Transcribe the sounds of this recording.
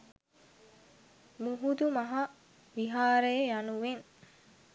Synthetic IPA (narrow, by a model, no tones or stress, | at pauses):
muɦud̪umɐɦɐ | ʋiɦaːɾəjəjanuʋen